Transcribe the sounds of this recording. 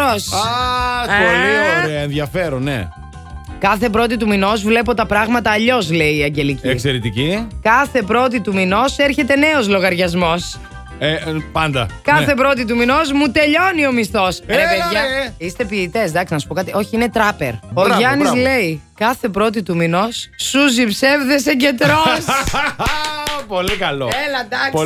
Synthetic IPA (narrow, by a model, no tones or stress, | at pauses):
osa | olioɾeɐenðjɐfe̞ɾonːḛ | kɐθe̞pɾo̞t̪it̪umino̞zvle̞po̞t̪ɐpɾɐɣmɐt̪ɐːʎo̞zle̞iːɐɲɟe̞liciekseɾet̪icikɐθe̞pɾo̞t̪it̪umino̞seɾçe̞t̪e̞ne̞o̞zlo̞ɣɐɾʝɐzmo̞s | epɐnd̪ɐkɐθe̞pɾo̞t̪it̪̬umino̞zmut̪e̞ʎo̞nio̞mist̪o̞sepeʝɐist̪e̞piːt̪e̞sd̪ɐksinɐsu̥po̞kɐt̪iʔo̞çiine̞t̪ɾɐpe̞̰ɾoʝɐnislle̞ikɐθe̞pɾo̞t̪̬it̪umino̞sːuzipse̞vðeseɟe̞t̪ɾos | polikɐloelɐd̪ɐ